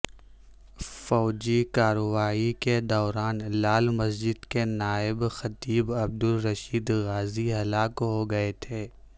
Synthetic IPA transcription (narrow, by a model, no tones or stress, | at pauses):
fɔːd͡ʒikaːɾowaːiked̪ɔːɾaːnlaːlmɐsd͡ʒɪd̪kenaːɪbxɐt̪iːbɐb̚d̪ʊlɾɐʃiːd̪ɣaːziɦɐlaːkɦoɡɐet̪ʰeː